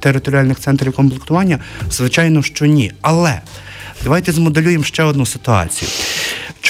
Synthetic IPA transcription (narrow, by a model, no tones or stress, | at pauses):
t̪eɾɪt̪ɔɾʲiɑlʲnɪxt̪sɛnt̪ɾʲiwkɔnplˠekt̪ʊʋɑnʲːɐzʋɪt͡ʃɑjnɔʃt͡ʃɔnʲiɐlˠɛ | d̪ɐʋɑjt̪ɛzmɔd̪elʲujemʃt͡ʃɛɔd̪nusɪ̥t̪ʊɑ̰t͡sʲḭjʊ̰t͡ʃ